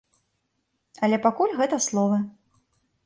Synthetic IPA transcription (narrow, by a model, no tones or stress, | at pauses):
ɐlʲɛpakulʲɣɛt̪ɐslˠɔvɐ